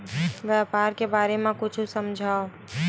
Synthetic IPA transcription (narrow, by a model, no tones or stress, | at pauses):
ʋjaːpaːɾkebaːɾemẽkʊt͡ʃʰusəmd͡ʒʱaːo